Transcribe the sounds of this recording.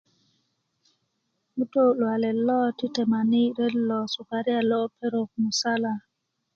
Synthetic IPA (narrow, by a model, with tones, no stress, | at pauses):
mu˦to˦lwa˨lɛ˨lɔ˦ti˦te˨ma˨ni˦ɾe˦lːɔ˨su˨ka˨ɾi˦a˨lɔ˦pe˦ɾo˨kmu˨sa˦la˨